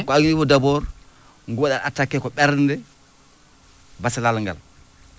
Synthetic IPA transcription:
kɔaɡinibɔdabɔɾ | ŋɡuaɗaʔatakːɛkɔɓɛɾndɛ | basalalŋɡa̰l

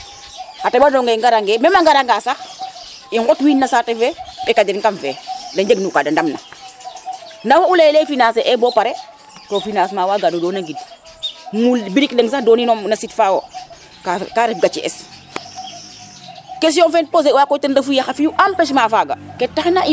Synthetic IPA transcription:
hatebadɔŋɡeŋɡaɾaŋɡemɛmaŋɡaɾaŋɡasax | iŋɡɔtwiːnnːasaːtɛfɛpɛkad͡ʒɛnŋkamfɛːdaɲd͡ʒeɡnukadandamna̰ | nawaulelɛfinaseʔɛbɔpaɾɛ | tofinaːsmaːwaːɡanudɔːnaŋɡid | mulbiɾikdeŋsaxdɔːninɔmnasitfawo | kakaɾɛfɡat͡ʃiʔɛ̰s | kes̬ijɔnfɛnpoz̬ewakɔtendafujaxafijuʔampɛʃ̬mafaːɡa̰kɛtːaxnai

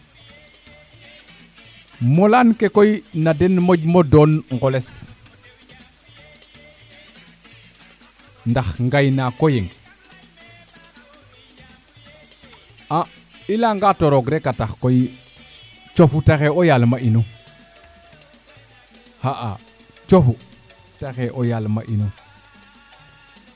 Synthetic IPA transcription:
molankekojnadenmoɟmodonŋɡoles | ndaxŋɡajnakojeŋ | a | ilaŋɡatoɾoɡɾekataxkoji | t͡ʃofutaxeojalmaʔino | haʔa | t͡ʃofu | taxeʔojalma̰ʔino

